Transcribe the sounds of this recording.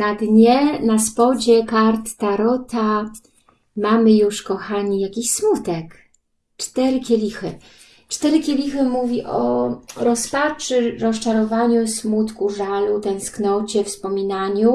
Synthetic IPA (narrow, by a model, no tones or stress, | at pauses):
nad̪ɲɛnaspɔd͡ʑɛkaɾt̪ːaɾɔt̪a | mamɘjuʂkɔxaɲijakʲiɕsmut̪ɛk | t͡ʂt̪ɛɾɘkʲɛlʲixɘ | t͡ʂt̪ɛɾɘkʲelʲixɘmuvʲiʔɔɾɔspat͡ʂɘɾɔst͡ʂaɾɔvaɲusmut̪kuʐalut̪ɛ̃w̃sknɔt͡ɕɛfspɔmʲinaɲu